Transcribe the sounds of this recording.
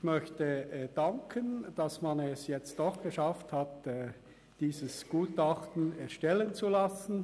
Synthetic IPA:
ɪmœçtəd̥aŋkʰənd̥ɑsmanɛsjɛt͡st̚d̥ɔχɡ̥əʃafthatː | d̥iːzəsɡ̥uːtɑχtn̩ɛɐʃtɛlənt͡sulasn̩

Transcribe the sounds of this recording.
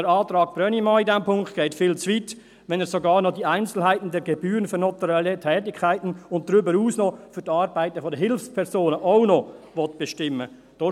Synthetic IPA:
əɾɑːtɾɑːk̚b̥ɾœnimaːɪdɛmpʰʊŋkt̚ɡ̥eɪtfɪːlt͡sʋit | ʋɛnɛːɾsoɡɑːɾnɔdiaɪnt͡sl̩ɦaɪtn̩dɛɾɡebyːɾənfyɾnɔtuɾɛlətʰɛːtɪkʰːaɪtn̩ʊntdɾʏbəɾuːsnɔfʏɾtɑːɾbaɪtəfɔdəɦɪlfspʰɛɾsoːnəʔaʊnɔvɔtb̥ɛʃtɪmːə | d̥oː

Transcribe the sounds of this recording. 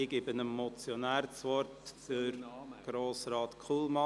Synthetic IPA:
ɪɡ̥ɪbənəmːɔt͡sjɔnæːɾt͡sʋɔɾtəɾɡ̥ɾoːsɾɑːt̪kʰχuːlˠmɑ

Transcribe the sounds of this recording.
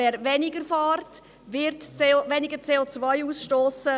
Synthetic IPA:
ɛːɾʋɛnɪɡəɾfɑːrt | ʋɪɾtːʋɛnɪɡəɾt͡seːot͡svajuːsʃtoːsə

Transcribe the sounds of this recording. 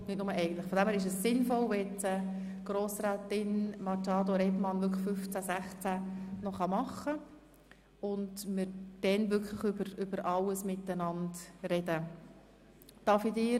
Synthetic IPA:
nɪt̚nʊməʔɛɪɡəntləχfɔd̪ɛmhæːɾɪʃ̬əssɪnfɔlʋeɛt͡sə | ɡ̥ɾoːsɾæːtɪnmɑtɑːd̪oɾɛbmɑnʋʏɾkfʏft͡sæsæχt͡sænɔχɑmɑχːə | ʊndmɪɾd̥ɛnʋʏkʰləχʏbəɾʏb̥əɾʔɑlːəsmɪtːənɑntɾɛdə | d̥ɑfidɪː

